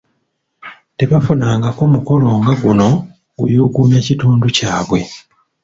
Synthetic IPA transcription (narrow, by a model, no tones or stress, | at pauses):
te̞βafunaːŋɡako̞muko̞lo̞ːŋɡaɡuno̞ | ɡṵjuːɡuːɲacituːnducaːβwe̞